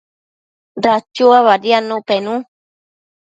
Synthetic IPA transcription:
dat͡ʃuaβaɾianːũpenũ

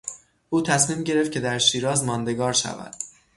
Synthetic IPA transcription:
ʔuːt̪ʰæsmiːmɟe̞ɾe̞ft̪̚cʰe̞d̪æɾʃiːɾɒːzmɒːnd̪e̞ɡɒːɾʃæ̰væ̰d̪̥

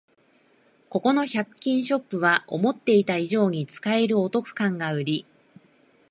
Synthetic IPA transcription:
ko̞ko̞no̞çakɯ̥kʲːĩɰ̃ɕo̞pːɯ̟β̞aʔo̞̰mo̞t̪ːe̞it̪aiʑo̞ːɲ̟it͡sɨ̥kae̞ɾɯ̟o̞t̪o̞kɯ̟̥kãŋɡaɯ̟ɾʲi

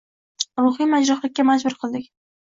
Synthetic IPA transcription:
ɾʊχɨmad͡ʒɾaχlɪkʲːamazbʊɾqʰɨlˠd̪ɪkʲ

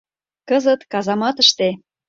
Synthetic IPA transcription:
kəzət̪kɑzɑmɑt̪əʃt̪e

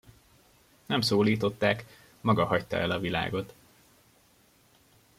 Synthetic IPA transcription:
nɛmsoːliːt̪o̞t̪ːaːk | mɒɡɒhɒct̪ɒ̰ʔɛlɒvila̰ːɡo̞t̪

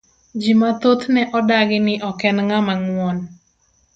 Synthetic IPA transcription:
d͡ʒimat̪ot̪nɛʔɔdaɡɪnɪʔɔkɛnŋamaŋwɔn

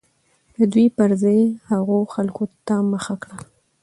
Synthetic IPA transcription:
d̪əd̪wipəɾzajhaɣoxalkot̪aməxakɽa

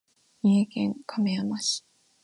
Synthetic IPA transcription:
ɲʲiekẽŋkʰameamaɕi̥

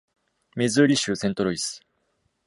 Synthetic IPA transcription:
mʲezɨɾʲiɕɨːsẽnt̪o̞ɾoisɨ̥

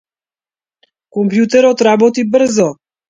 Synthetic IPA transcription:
kompjut̪ɛɾɔt̪ɾabɔt̪ibəɾ̩zɔ

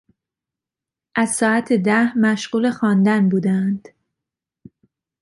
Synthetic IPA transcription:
ʔæzsɒːæt̪ʰed̪æhmæʃɢuːle̞xɒːnd̪ænbuːd̪ænd̪̥

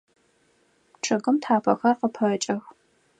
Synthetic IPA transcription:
ʈ͡ʂʰʼɨɣɨmtʰaːpʰɐ̰xɐrqəpʰɐt͡ʃʼɐx

